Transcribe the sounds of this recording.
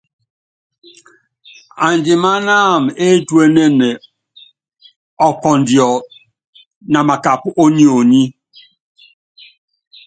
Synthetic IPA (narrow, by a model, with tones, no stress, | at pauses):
a˨n˨d͡ʒi˨ma˦naː˦˨me˦twe˦ne˦ne˨ | ɔ˨kɔ˨n̩˨djɔ˨ | na˨ma˨ka˨pʔo˦ni˦o˨ni˦